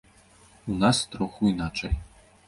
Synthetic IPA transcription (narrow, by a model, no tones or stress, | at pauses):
unɑst̪ɾoxuinat͡ʂɛj